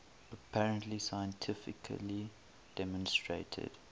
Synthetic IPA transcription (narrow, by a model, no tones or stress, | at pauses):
əpʰæɹə̃ntlisajə̃ntʰɪfɪkʰə̰li | d̥ɛmɔ̃nstɹetʰə̰d̥